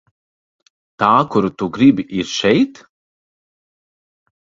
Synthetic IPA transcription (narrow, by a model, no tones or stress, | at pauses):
t̪aːkuɾut̪uɡɾibʲiʔiɾʃɛjt̪